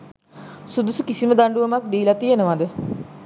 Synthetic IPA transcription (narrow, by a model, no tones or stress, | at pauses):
sud̪usukisiməd̪aɳɖuʋəmak̚d̪iːlat̪ijenəʋad̪ə